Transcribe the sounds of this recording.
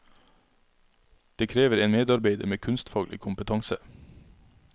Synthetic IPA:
d̪̥eːkʰɾeːʋəɾeːnmeːd̪ɑɾbeɪd̪ə̰meːkʰʉnst̪fɑːɡlʔɪ̰kʰʊmpət̪ʰɑŋsə

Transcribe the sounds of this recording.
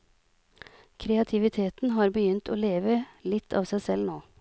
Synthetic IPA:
kʰɾɛɑt̪ʰɪʋɪt̪ʰeːt̪n̩ɦɑːɾbəjʏnt̪ʰo̰ːleːʋəlɪt̪ʰɑ̰ːʋsæɪsɛlnoː

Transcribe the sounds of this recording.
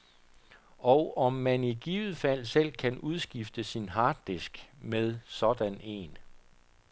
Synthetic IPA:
ɒ̽ʊʔɒ̽mːæniɡ̥iːʊð̩ˠfæl̰sel̰kʰænuð̞ˠsɡ̥ifd̥əsinɦɑ̈ːd̥ːesɡ̥meðˠsɒ̽d̥æne̝̰ːn

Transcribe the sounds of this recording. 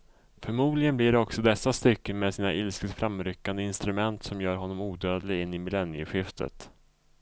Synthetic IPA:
fœɾmuːd̪lɪɡənblɪɖɛɔksɔd̪ɛsːast̪ʏkːəmeːd̪siːnaʔɪlskt̪fɾamɾʏkːand̪əɪnst̪ɾɵmɛnt̪sɔmjœːɾɦɔnːɔmuːd̪øːd̪lɪɡɪnːɪmɪlɛnɪəɧɪft̪ʰə̰t̪

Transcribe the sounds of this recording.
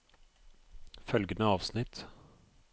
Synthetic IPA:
fœlɡənəɑːʋsnɪt̪

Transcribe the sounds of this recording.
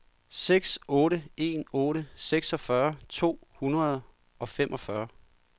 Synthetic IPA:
seɡ̥sɔ̽ːɾəe̝ːnɔ̽ːɾəseɡ̥sɒ̽fɶɐt͡sʰo̝̰ːhunʁɐð̞̩ˠ | ɒ̽femʔɒ̽fɶːɐ

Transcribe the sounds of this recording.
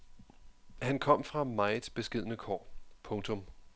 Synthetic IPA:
hænkʰɒ̽m̰fʁɑ̈mɑ̈ɪd̥sb̥e̝sɡ̥e̝ð̞ˠnəkʰɒ̰ːpʰɔ̽ŋt͡sʰɔ̽m

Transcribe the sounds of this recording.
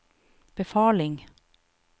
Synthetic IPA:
b̥əfɑːlɪŋ

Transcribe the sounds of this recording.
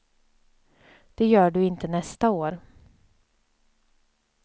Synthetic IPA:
d̪̥ɛjœːɖɵɪnt̪ənɛst̪aoːɾ

